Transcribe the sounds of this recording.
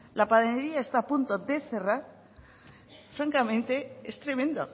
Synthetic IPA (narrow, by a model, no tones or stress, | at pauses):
lapaðeneɾiae̞st̪aːpunt̪oðe̞θe̞raɾ | fɾaŋkamẽnt̪e̞est̪ɾe̞mẽnd̪o